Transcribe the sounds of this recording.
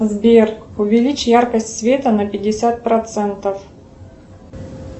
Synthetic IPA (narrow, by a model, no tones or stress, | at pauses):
zbʲerkʊvʲɪlʲit͡ɕjarkəsʲtʲsvʲet̪ənəpʲɪdʲɪsʲat̪̚pɾɐt̪sɛnt̪əf